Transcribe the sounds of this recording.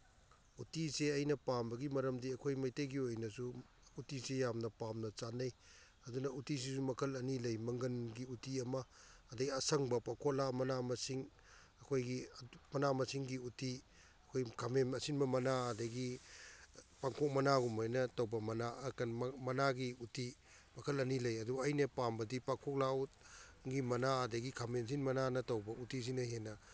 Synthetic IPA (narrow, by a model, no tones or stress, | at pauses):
utiseɐjnɐpambɐɡimɐɾɐmdiɐkʰojmɐjtɐjɡiojnɐsu | utisejamnɐpamnɐt͡ʃanɐj | ɐdunɐutis̬isumɐkʰɐlɐnilɐjmɐŋɡɐnɡiutiɐmɐːdɐɡiɐsɐŋbɐpakʰolamɐnamɐsiŋ | ɐkʰojɡimɐnamɐsiŋɡiuti | ɐkʰojkʰamemɐsinbɐmɐnaɐdɐɡi | paŋkʰɔk̚mɐnaɡumajnɐtɐwbɐmɐnaɐkɐnmɐnaɡiuti | mɐkʰɐlɐnilɐjɐdubajnɐpambɐdipaŋkʰɔk̚laut̚ɡimɐnaɐdɐɡikʰamens̬inmɐnanɐtɐwbɐʔutis̬inɐɦenɐ